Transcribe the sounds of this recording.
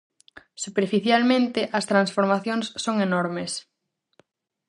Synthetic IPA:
supeɾfiθjalmẽnt̪ɪʔɐst̪ɾansfoɾmaθjoŋsːoŋenoɾmes

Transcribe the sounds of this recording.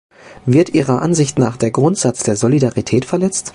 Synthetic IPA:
vɪɐtʔiːʁɐʔanzɪçtnaːχd̥eːɐɡʁʊntz̥at͡sd̥eːɐzolidaʁitʰɛːtfɛɐlɛt͡st

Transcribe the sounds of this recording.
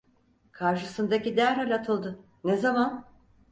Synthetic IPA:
kʰaɾʃɯsɯnd̪acid̪æɾhalʲat̪ʰɯlˠd̪ɯ | nezaman

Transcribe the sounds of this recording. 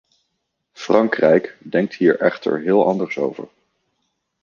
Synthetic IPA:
frɑŋkrɛjkdɛŋk̚tɦiːɹʔɛ̰χtə̰ɹɦɪːlˠɑndəɹso̰wvə̰ɹ

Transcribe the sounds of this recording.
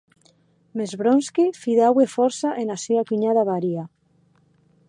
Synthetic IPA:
mezβɾonskifiðawefɔɾsaʔenasiakiɲaðaβaɾia

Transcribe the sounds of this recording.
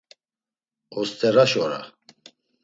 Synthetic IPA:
ɔst̪ʰʼɛɾaʃɔɾa̰

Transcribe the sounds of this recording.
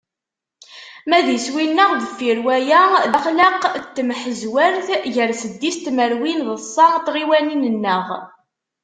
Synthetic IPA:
mæðjəswinːəʁðəfiɾwæjæðæχləqt̪ːmħəzwəɾθʝəɾsəd̪ːist̪məɾwinðəsˤːɑnt̪ʁiwæninənːəʁ

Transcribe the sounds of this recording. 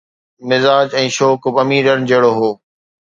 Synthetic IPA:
mɪzaːd͡ʒɛ̃ːʃoːkbɐmiːɾəɾd͡ʑeːɽoːɦoː

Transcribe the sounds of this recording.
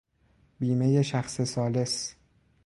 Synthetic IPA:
biːme̞jeʃæxsesɒːle̞s

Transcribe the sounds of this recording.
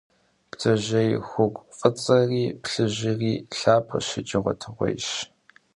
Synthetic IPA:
ptʰɐʑɐjxʷʊkʷʼfʼɐt͡sʼɐriːpɬɨʑɪriːɬaːpʰɐ̰ʃɪd͡ʒʼɪʁʷɔ̰tʰɨʁʷɔ̰jʃ

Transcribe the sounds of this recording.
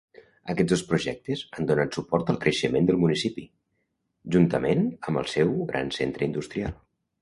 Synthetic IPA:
əkɛzðospɾuʒɛk̚t̪əzand̪onat̪supɔɾt̪əlˠkɾəʃəmend̪əlˠmunisipi | ʒunt̪əmenəmbə̰lˠsɛwɣɾʔa̰nsent̪ɾəind̪ust̪ɾialˠ

